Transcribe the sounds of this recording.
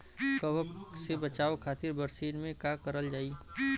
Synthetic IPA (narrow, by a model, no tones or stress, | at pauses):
kəʋəksebɐt͡ʃaːokʰaːt̪ɪɾbəɾsiːnmẽkakəɾəld͡ʒaːi